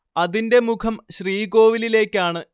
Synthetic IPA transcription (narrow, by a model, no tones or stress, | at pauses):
ɐðinde̞mukʰɐmɕriːɡo̞ːʋilile̞ːkːaːɳɨ